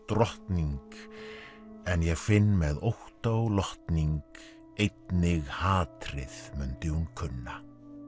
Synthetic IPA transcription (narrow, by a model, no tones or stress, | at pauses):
t̪ɾɔht̪niŋk | ɛnjɛɣfɪnːmɛðowht̪awlɔht̪niŋk | ejt̪nɪɣhaːt̪ɾɪðmʏnt̪ɪunkʰʏnːa